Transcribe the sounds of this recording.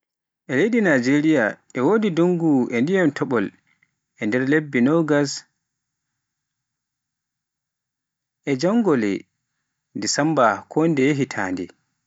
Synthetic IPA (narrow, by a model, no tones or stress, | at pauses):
ʔɛlejɗinad͡ʒeɾijaʔɛwoːdidoŋɡuʔɛndijɛmtʰɔɓɔl | ʔɛndɛɾlebːinɔɡas | ʔɛd͡ʒaŋɡɔlɛ̰ | disambakʰɔndɛɦitʰa̰ːndɛ̰